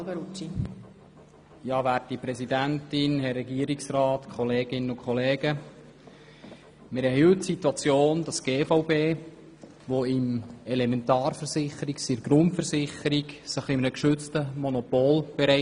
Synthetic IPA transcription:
lbəɾui | jɑːʋæːɾt̚dipɾɛsidæntɪnhɛrːɛɡiəɾiksrɑːtkʰɔleːɡ̥ɪnənʊkʰχɔleːɡ̥ə | mɪɾɛɾɦhylttsituɑt͡sjoːndɑsɡ̥eːfaʊbeː | ʋoɪmɛlɛmɛntɑːrfəɾsɪχəɾiksɪɾɡɾʊntfəɾsɪχəɾiɡsəχɪmənəkʃʏt͡stəmɔnɔpoːlb̥ɛɾɛɪ

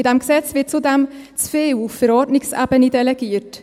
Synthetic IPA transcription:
ɪdɛmɡsɛt͡svɪt̚t͡sudɛmt͡sfeːuffəɾɔːtnɪksa̰bənidɛlɛɡ̥iːɾt

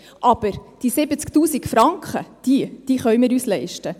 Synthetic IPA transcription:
ʔɑb̥əɾd̥isɪbət͡skt̪uːsikfɾɑŋkχəd̪̥id̥iːχœɥmɪːɾyːslɛɪʃtə

